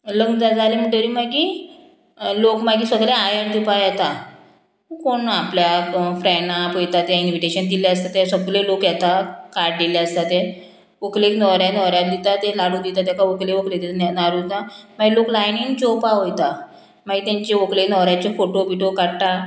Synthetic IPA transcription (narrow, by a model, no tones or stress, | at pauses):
ləŋɡd͡zad͡zalem̤əɳʈəɾimaɡi | lokmaɡiːsəɡleajəɾd̪ipajjɛt̪a | ukoɳapljafɾɛnapojt̪at̪jainʋiʈeɕənd̪ileəst̪at̪esəɡlelokjɛt̪akaɽd̪iljeəst̪at̪ɛ | ʋokleknɔɾjanɔɦɾjat̪̚d̪it̪at̪elaɽud̪it̪at̪jakaʋokleʋəkled̪et̪naɾut̪amaɡiloklajniŋd͡ʑopaʋojt̪a | maɡit̪ãɲt͡ɕeʋəklenɔɾjat͡ɕefoʈobiʈokaɽt̪a